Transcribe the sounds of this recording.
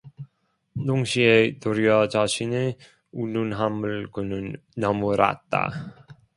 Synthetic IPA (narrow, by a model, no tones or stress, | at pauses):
noŋɕʰietoɾjʌt͡ɕaɕʰine | ununɦamɯɭkɯnɯnː | ʌmuɾa̰t̚t͈a̰